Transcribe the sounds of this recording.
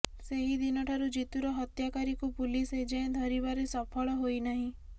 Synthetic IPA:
seɦid̪inɔʈʰaɾud͡ʒit̪uɾɔɦɔt̪jakaɾikupulised͡ʒeẽd̪ʱɔɾibaɾesɔpʰɔɭɔɦojnaɦĩ

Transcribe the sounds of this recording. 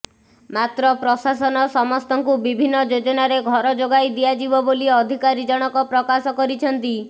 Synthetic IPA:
mat̪ɾɔpɾɔsasɔnɔsɔmɔst̪ɔŋkubibʱinːɔd͡ʒod͡ʒɔnaɾeɡʱɔɾɔd͡ʒoɡajd̪ijad͡ʒibɔboliɔd̪ʱikaɾid͡ʒɔɽ̃ɔkɔpɾɔkasɔkɔɾit͡ʃʰɔnt̪i

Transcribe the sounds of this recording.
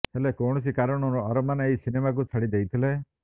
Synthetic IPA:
helekɔwɽ̃ɔs̬ikaɾɔɽ̃ɔɾɔɔɾɔmaneeisinemak̬ut͡ʃʰaɽid̪ejt̪ʰile

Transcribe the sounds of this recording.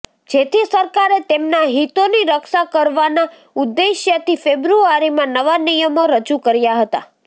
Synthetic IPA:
d͡ʒet̪ʰisəɾkaɾet̪emnaɦit̪oniɾəkʃakəɾʋana | ud̪ːeʃjət̪ifebɾuaɾimãnəʋanijəmoɾəd͡ʒukəɾjaɦət̪a̰

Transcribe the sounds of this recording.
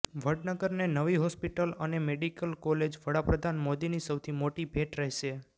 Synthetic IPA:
ʋəɖnəɡəɾnenəʋiɦɔspiʈələnemeɖikəlkɔled͡ʒʋəɽapɾəd̪ʱanmod̪inisəwt̪ʰimoʈibʱeʈɾəɦʃe

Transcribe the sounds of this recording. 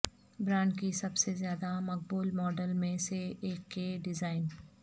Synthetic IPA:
bɾãːɳɖkisɐbsezjaːd̪amɐk̚buːlmɔːɖəlmẽseeːkːeɖɪzaːɪn

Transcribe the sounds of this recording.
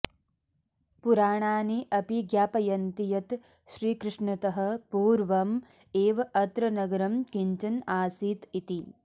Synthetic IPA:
puɾaːɳaːniʔɐpiɡjaːpɐjɐnt̪ijɐt̪ | ʃɾiːkɾɪʂɳɐt̪ɐɦɐ̆puːɾʋɐm | eːʋɐɐt̪ɾɐnɐɡɐɾɐmkiɲt͡ʃɐnaːsiːt̪it̪i

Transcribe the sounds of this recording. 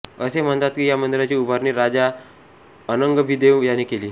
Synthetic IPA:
əsem̤ənd̪at̪kijamənd̪iɾat͡ɕiːubʱaɾniːɾad͡za | ənəŋɡəbʱid̪eʋjanːikeliː

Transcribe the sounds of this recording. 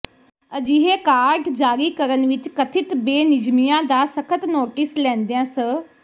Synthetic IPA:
əd͡ʒiːɦeːkaːɾɖd͡ʒaːɾiːkəɾənʋɪt͡ʃkət̪ʰɪt̪beːnɪd͡ʒmijãːd̪aːsəkʰət̪noːʈɪslɛ̃ːnd̪ejãːsə

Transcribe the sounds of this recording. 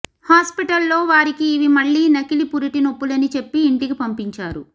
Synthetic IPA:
haːspiʈɐlːo̞ːʋaːɾikiːʋimɐɭːiːnɐkilipuɾiʈino̞pːulɐnit͡ʃe̞pːiːɳʈikipɐmpiɲt͡ʃaːɾu

